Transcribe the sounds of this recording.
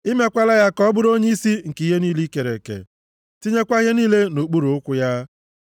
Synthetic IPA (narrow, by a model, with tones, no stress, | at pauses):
ɪ˦me˦kʷa˦la˦ja˦kɔ˦bʊ˦ɾo˦ɲe˦i˦si˦ŋ̩˨ki˨ɦe˦niː˦li˦ke˨ɾḛ˨kḛ˨ | ti˦ɲe˦kʷa˦ɦe˦niː˦le˦no˨k͡pu˦ɾu˨ʊ˦kʷʊ˦ja˦